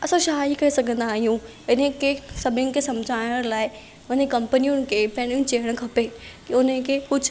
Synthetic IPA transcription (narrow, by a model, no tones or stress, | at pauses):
ɐsõʃaːikɐisɐɡʱə̃nd̪aːɦijũ | ɪnə̃kesɐbʱʊnɪ̆kʰesɐ̃md͡ʑʱaːɪjɽ̃laːɪ | ʊnekɐ̃mpənijʊnɪ̆kʰepɐ̃ɦɪ̃ɽ̃iũt͡ɕeːəɽ̃kʰɐpekiʊnəkʰekʊd͡ʑʱ